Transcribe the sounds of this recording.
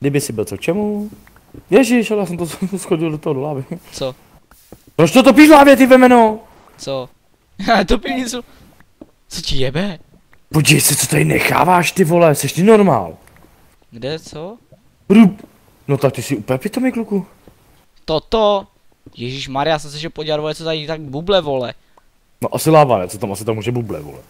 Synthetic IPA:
ɡdɪbɪsɪbɪlt͡sokt͡ʃɛmu | jɛʒɪʃhalɛjaːsɛmt̪osxoɟɪldot̪oɦodolaːvɪt͡so | pɾot͡ʃt̪ot̪op̬iʃlaːvjɛt̪̬ɪvɛmɛno | t͡so | t̪opiso | t͡socɪjɛbɛ | poɟivɛjsɛt͡sot̪adɪnɛ̰xa̰ːvaːʃt̪ɪvolɛsɛʃt̪ɪnoɾma̰ːl | ɡdɛt͡so | ɾup | not̪ak̚t̪ɪsɪupɛpɪt̪omɪkluku | t̪ot̪o | jɛʒiːʃmaɾɪjasɛsɛʃɛpoɟaɾvojɛt͡sot̪ait̪aɡbublɛvolɛ | noʔasɪlaːva̰nɛ̰t͡sot̪amasɪt̪amuːʒɛbublɛ̰vo̰lɛ̰

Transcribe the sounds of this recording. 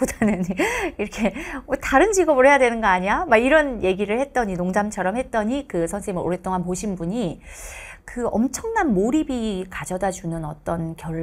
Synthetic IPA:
pudanɯniɾʌkʰe̞otaɾɯnd͡ʑiɡʌbɯɭɦe̞jadwe̞nɯnɡʌaɲiamaiɾʌnje̞ɡiɾɯɭhe̞t̚t͈ʌɲinoŋd͡ʑamt͡ɕʰʌɾʌmhet̚t͈ʌɲikɯsʰʌnsʰeimɯʔo̰ɾet͈oŋanpoɕʰinbuɲi | kɯʌmt͡ɕʰʌŋnanmoɾibikad͡ʑʌdad͡ʑunɯnʌt͈ʌnkjʌ

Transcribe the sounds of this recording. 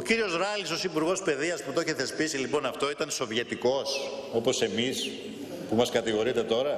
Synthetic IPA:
ociɾio̞zɾɐliso̞sipuɾɣo̞spe̞ðiɐsput̪o̞çe̞θe̞spisilipo̞nɐft̪o̞it̪ɐnso̞vjet̪iko̞so̞po̞se̞mis | pumɐskɐt̪iɣo̞ɾit̪e̞t̪o̞ɾɐ

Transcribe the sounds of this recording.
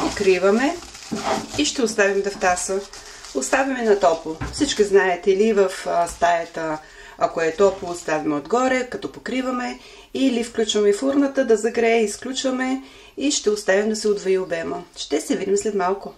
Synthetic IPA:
pokɾivɐmɛ | iʃt̪ɛʊst̪avʲimd̪ɐft̪asə | ʊst̪avʲɐmɛnɐt̪ɔpˠʊfsit͡ʃkiznaɛt̪livəfst̪ajɐt̪ə | akoɛt̪ɔplˠost̪avʲɐmɛod̪ɡɔɾɛkɐt̪ɔpokɾivɐmɛ | ilifklʲut͡ʃvɐmɛifuɾnət̪əd̪ɐzɐɡɾɛɛisklʲut͡ʃvəmɛ | iʃt̪ɛʊst̪avimd̪ɐsɛod̪voiobɛməʃt̪ɛsɛvid̪imslɛt̪malˠkʊ

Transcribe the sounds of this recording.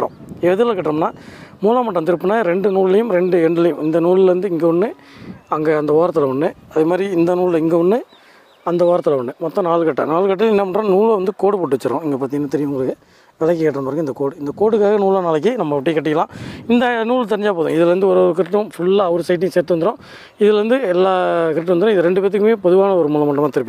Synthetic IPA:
ɾõ̰ɛðɯlɐkɐʈːɾɐmnːaːmuːlaːmɐʈːɐ̃nt̪ɪɾɯpːɐnːaɾɛɳɖɯnuːɭɪlɐjɯmɾɛɳɖɯɛɳɖɪlɐjʊmɪnd̪ɐnuːɭɪlʋɐnd̪ɯɪŋɡeːʊnːɯɐŋɡeːɐnd̪ɐʋaːɾɐt̪ːɯlɐʋɐɳːɯɐðɯmaːd̪ɾiɪnd̪ɐnuːɭlɐɪŋɡeʊnːɯ | ɐnd̪ɐʋaːɾɐt̪ːɐlɐɐɳːɯmɔt̪ːɔ̃naːlɯkɐʈːɐ̰naːlɯkɐʈːɪlɪnːɐpɐɳɾãːnuːɭlɐʋɐnd̪ɯkoːɽɯpoːʈːɯʋɐt͡ʃːɐɾõ̰ːɛŋɡeːpaːt̪iŋɡɐnat̪ɛɾɪjʊ̃ŋɡɐɾɐkːɯ | ʋɛlɐk̬ːɐkɐʈːɾɐmpɐɾɡɪnd̪ɐkoːɽɯɪnd̪ɐkoːɽɯkːaːɣɐnuːɭanaːlɐk̬ːɯnɐmːɐʋɪʈːɐkːɐʈːɪkːɐlãːɪnd̪ɐnuːɭt̪ɛɾɪɲd͡ʒaːp̬oːðʊ̰̃ɪðɪlʋɐnd̪ɯɔɾɾɯk̬ɪɾʈːʊ̃fʊɭːaːɐʋɐɾɯsɐɪʈ̬ːɪŋseːɾt̪ːɯʋɐnd̪ɪɾõː | ɪðɪlʋɐnd̪ɯɛlːaːkɪɾʈːɯ̃ʋɐnd̪ɾõɪðɯɾɛɳɖɯpɛːɐt̪̬ːɯkːɯmeːpɔðɯʋaːnɐɔɾɯmuːlɐmɐɳʈːɐmaːt̪ɪɾɯpːi

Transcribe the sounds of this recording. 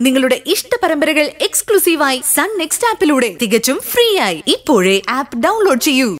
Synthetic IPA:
niŋːɐɭuɽe̞ʔiʂʈɐpɐɾɐmbɐɾɐɣɐɭe̞kskɭusiːʋaːjisɐnneksʈaːpːiluːɽe̞t̪iɣɐt͡ɕːumfriːjaːjiipːo̞ːɻeʔaːpːɖɐwnlo̞ːɖt͡ɕe̞jːu

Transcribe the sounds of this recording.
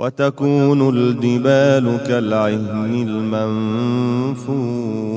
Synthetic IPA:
wʔat̪akuːnʊld̪ɪbaːlʊkalʕɪhmɪlman | fuː

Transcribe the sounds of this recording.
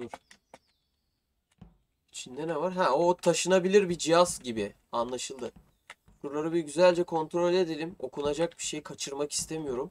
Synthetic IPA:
uɾ | it͡ʃʰind̪ɛnɛvaɾɦɛo̞t̪ʰaʃɯnabilʲiɾbid͡ʒijazɟibi | anlˠaʃɯlˠd̪ɯ | buɾlˠaɾɯbiɟyzælʲd͡ʒɛkʰo̞nt̪ɾo̞lʲe̞d̪elʲimo̞kʰunad͡ʒak̚biʃe̞jkʰat͡ʃʰɯɾmaki̥st̪ʰe̞mijo̞ɾum

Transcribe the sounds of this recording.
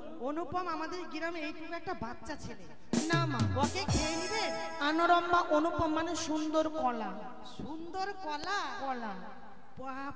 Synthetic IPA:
onupːɔmamad̪eɾɡiɾamejpubɛk̚ʈabat̪ːʃat͡ɕʰele | namabɔkekʰeenibeanoɾɔmːaʔonupːɔmːaneʃund̪oɾkɔla | ʃund̪oɾkɔlakɔla | ba

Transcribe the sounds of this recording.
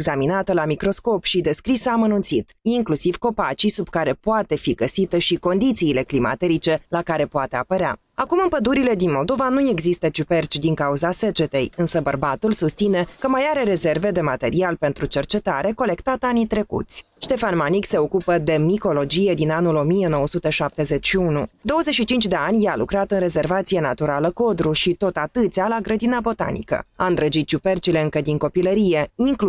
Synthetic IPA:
eɡzaminat̪əlamikɾo̞sko̞pʃid̪e̞skɾisəaːmənunt̪sit̪iŋklusiv̥ko̞pat͡ʃisubkaɾe̞poat̪e̞fiɡəsit̪əʃiko̞nd̪it̪siːle̞klima̰t̪e̞ɾit͡ʃe̞lakaɾe̞poat̪e̞a̰pəɾea̰ | akumɨnpəd̪uɾile̞d̪inmo̞ld̪o̞vanuje̞ɡzist̪ət͡ʃupe̞rt͡ʃd̪iŋkauzase̞d͡ʒe̞t̪e̞jɨnsəbərbat̪ulsust̪sine̞kəmajaɾe̞ɾe̞ze̞rve̞d̪e̞mat̪e̞ɾialpe̞nt̪ɾut͡ʃe̞rt͡ʃe̞t̪aɾe̞ko̞le̞kt̪at̪anit̪ɾe̞kṵt̪sʲ | ʃt̪e̞fanmanikse̞o̞kupəd̪e̞miko̞lo̞d͡ʒije̞d̪inanulo̞mije̞no̞wəsut̪eʃap̚t̪e̞ze̞t͡ʃʃiunud̪o̞wəzeʃit͡ʃint͡ʃʲd̪e̞anʲjalṵkɾat̪ɨnre̞ze̞rvat̪sije̞nat̪uɾaləko̞d̪ɾuʃit̪o̞t̪at̪ɨt̪sʲalaɡɾəd̪inabo̞t̪a̰nḭkə̰aɨnd̪ɾəd͡ʒit̪̚t͡ʃupe̞rt͡ʃile̞ɨŋkəd̪iŋko̞piləɾije̞iŋk

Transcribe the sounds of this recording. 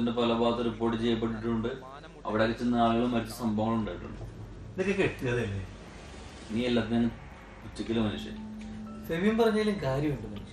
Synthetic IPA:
ɐndepɐlɐbaːt̪ːɐɾip̬ːoːʈːɨt͡ɕejːɐp̬ːe̞ʈ̬ːiʈ̬ːuɳɖɨ | ɐ̰ʋiɽeɐkɐt͡ɕːunːaːɭɣɐɭumːɐɾit͡ɕːɐsɐmbʱɐmːɐɭuɳɖaːjiʈːṵɳɖɨ | nokːekeʈːuɣɐðelːe | niːelːaːt̪inɐŋːɐ | put͡ɕːɐkʲːɐlumɐnuʂḛsɐʋijumpɐrɐɲːaːlɨmkaːɾjɐmuɳɖɨmɐnu

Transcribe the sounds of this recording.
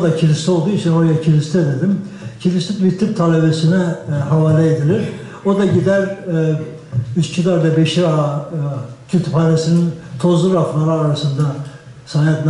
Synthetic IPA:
d̪acʰilʲist̪ʰɛolˠd̪uːit͡ʃʰinoɾajacʰilʲist̪ʰɛed̪ed̪imcʰilist̪it̪viɾt̪ʰːip̚t̪ʰalʲebesinɛɦavaːlʲɛed̪ilʲiɾ | o̞d̪aɟid̪æɾ | yscʰid̪aɾd̪ɛbeʃiɾa | cʰyt̪ʰypanesinint̪ʰo̞zlˠuɾaflaɾɯaɾasɯnd̪a | saːjad̪n

